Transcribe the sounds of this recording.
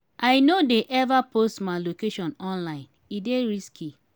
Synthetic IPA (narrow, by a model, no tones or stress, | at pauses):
ʔaɪnodeʔɛvapʰostmaɪlokeʃɔ̃nɔ̃nlaɪ̃n | ideɾiskʰi